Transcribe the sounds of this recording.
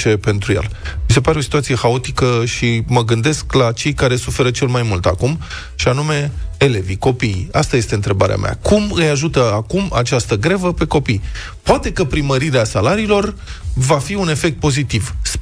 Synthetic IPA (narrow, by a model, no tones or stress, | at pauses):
t͡ʃe̞pe̞nt̪ɾujḛlmise̞paɾeo̞si̥t̪uat̪sije̞xao̞t̪ikəʃiməɡɨnd̪e̞sklat͡ʃe̞jkaɾe̞sufe̞ɾət͡ʃe̞lmajmult̪a̰kum | ʃianume̞eleviko̞pijast̪aje̞st̪e̞ɨnt̪ɾe̞baɾḛa̰mʲa̰kumɨjaʒut̪əakuma̰t͡ʃast̪əɡɾevəpe̞ko̞pij | poat̪e̞kəpɾiməɾiɾeasalaɾiːlo̞rvafiune̞fek̚t̪̚po̞zit̪ivs